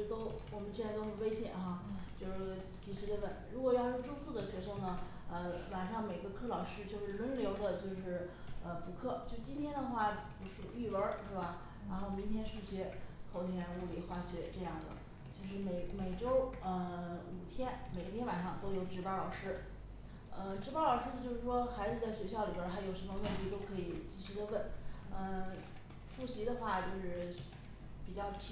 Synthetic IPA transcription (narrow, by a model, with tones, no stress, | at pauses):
t̪o˥ʊwɔ˨˩mə˦nɕt͡sa˥˧t̪o˥ə˧˥˩nwe˥ɪɕjɛ̰˨˩nxa˥˧t͡ɕjo˥˧ʊʂ | t͡ɕi˨˩ɕɥɛ˧˥d̪ə˧˥wə̰˨˩˦nɻu˧˥kwɔ˨˩jɑ˥˧ʊjo˥˧ʊʈ͡ʂu˥fu˥˩d̪ə˩ɕɥɛ˧˥ʂɤ˥ŋnə˨ | ə˧wa˨˩nʂɑ˥˩ŋme˨˩ɪ˥ɡə˧kʰɤ˥lɑ˨˩ʊʂɻ̩˥t͡ɕjo˥˧ʊʂɻ̩˥˩lwə˧˥nljo˧˥ʊd̪ə˧t͡ɕjo˥˧ʊʂɻ̩˥˩ə˧˩pu˧˥kʰɤ˥˩t͡ɕjo˥˧ʂt͡ɕi˥nt̪ʰjɛ˥nd̪ə˨xwa˥˩pu˧˥ʂɻ̩˥˩y˥˩wə˞˧˥ʂ̩˥˧˩ba˨˩ | ɻa˧˥nxo˥˩ʊmi˧˥ŋt̪ʰjɛ˥nʂu˥˩ɕɥɛ˧˥xʊt̪ʰjɛ˧˥n˧u˥˩lḭ˧˩xwa˥˩ɕɥɛ˧˥ʈ͡ʂɤ˥˧jɑ˥˩ŋd̪ə̰˩ | t͡ɕjo˥˧ʊʂ̬ɻ̩˥˩me˨˩ɪme˨˩ɪʈ͡ʂo˥ʊə˧u˨˩t̪ʰjɛ˥nme˨˩ɪt̪ʰjɛ˥nwa˨˩nʂɑ˥˧ŋt̪o˥ʊjo˧˥ʊʈ͡ʂɻ̩˧˥pɑ˥ʊlɑ˨˩ʊʂɻ̩˥˩ | ə˧ʈ͡ʂɻ̩˧˥pɑ˥ʊlɑ˨˩ʊʂɻ̩˥˩d̪ə˧t͡ɕjo˥˧ʊʂɻ̩˥˩ʂwɔ˥xa˧˥ɪd͡zɹ̩˧˩d̪ə˩ɕɥɛ˧˥ɕ̬jɑ˥˩ʊli˨˩bə˞˧˥t̪ʰa˧˥ɪjo˨˩ʊʂə˧˥mə˧me˥˧t̪ʰi˥˧t̪o˥ʊkʰɤ˧˥i˨˩t͡ɕi˥˧ɕy˥˧d̪ə˧wə˥˩nə˧ | fu˥˩ɕi˧˥d̪ə˧xwa˥˧t͡ɕjo˥˧ʊʂɻ̩˥˧ | pi˨˩t͡ɕjɑ˥˧ʊt͡ɕʰ